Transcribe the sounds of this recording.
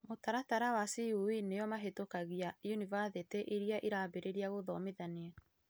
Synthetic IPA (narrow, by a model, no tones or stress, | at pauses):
motaɾataɾawasiuwineɔmaɦetokaɣiajunivaseteʔiɾiaʔeɾaːbeɾeɾiaɣoðɔmeðaneɛ